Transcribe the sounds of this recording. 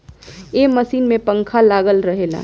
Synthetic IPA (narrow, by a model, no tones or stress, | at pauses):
jeməsiːnmẽpə̃ŋkʰalaːɡəlɾəɦeːla̰ː